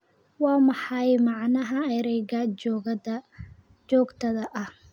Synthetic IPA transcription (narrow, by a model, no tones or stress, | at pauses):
wɑːmɑħɑjmɑʕnɐɦɐɛɾɛjɡaːɔ | t͡ʃɔːɡt̪ʰɐðɐʔɐh